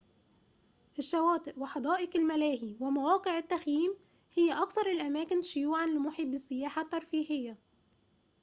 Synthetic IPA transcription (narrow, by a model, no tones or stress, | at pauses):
ʔɪʃːæwæːt̪ˤɨʔwɪħɑd̪ˤɑːʔɪkɪlmælæːɦiwɪmawɑːqeʕɪt̪ːæxjiːm | hɪjːæʔɑkθɑɾˤɪlʔæmæːkɪnʃʊjuːʕanlɪmʊħiːbɪsːɪjaːħat̪ːɑɾˤfiːhɪjːa